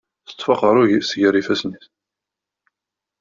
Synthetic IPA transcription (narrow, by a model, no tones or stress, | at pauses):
θə̥t̪ːˤfɑqəɾˤʊʝisʝəɾifæsniθ